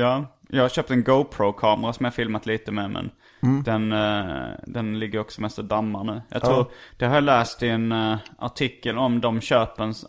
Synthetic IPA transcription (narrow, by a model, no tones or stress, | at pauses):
jɑː | jʔɑɡhaɾɕøːp̚t̪ɛnɡoʊpʰɾoʊkʰɑːməɾasɔmjɑhafɪlmat̪liːt̪əmemʔɛ̰n | d̪ɛn | d̪ɛnlɪɡːəɾɔksɔmɛst̪əd̪amːaɳʉ̟ːjʔɑ̰t̪ʰɾuːɾd̪̥ɛhaɾjɑlæːst̪ɪɛna̰ʈʰɪkːəlɔmd̪ɔmɕøːpəɳ